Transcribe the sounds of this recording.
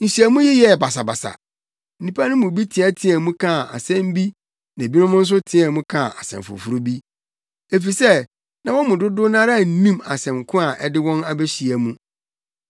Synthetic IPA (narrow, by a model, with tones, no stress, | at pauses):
n̩˨si˨æ˨mũ˦ji˦jɛ˦˨ba˨sa˨ba̰˨sa̰˨ | n̩˦nĩ˦pa˦nʊ̃˦mʊ̃˨bi˦tʰɪ̃˨ɛ˦tʰɪ̃˦ɛ̃˨mũ˦kʰã˦˨a̰˨sɛ̃˦m˦bi˦ | nã˨bi˦nʊ̃˦mʊ̃˦n̩˦s̬ʊ˦tʰɪ̃˦ɛ̃˨mũ˦kʰã˦˨a˨sɛ̰̃˨mfʊ̰˨fu˨ɾu˦bi˦ | e˨fi˨sɛ˦ | nã˨wɔ̃˦mʊ̃˨dʊ˦dʊ˦nã˦ɾa˦˨n̩˦nĩ˦ma˨sɛ̃˨mkʰʊ̃˦a˨ʔɛ˦dɪ˦wɔ̃˦na˦be˦ɕi˨æ˨mũ˦